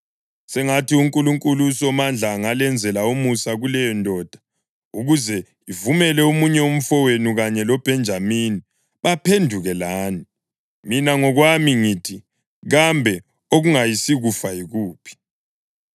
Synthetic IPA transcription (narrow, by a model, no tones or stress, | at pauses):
sɛŋatiuŋkʼuluŋkʼulusɔmand͡ɮʱaŋalɛnd͡zʱɛlaomusaɣulɛjɔndʱɔːd̥ʱḁ | uɣuzɛ | ivumɛlɛumuɲɛom̩fɔwenuɣaɲɛlɔb̥ʱɛnd͡ʒʱamini | βapʰendʱuɣɛlaːni | minaŋɔɣwamiŋiːtʰi | ɣambʱɛ | oɣuŋajisiɣufajiɣuːpʰi̥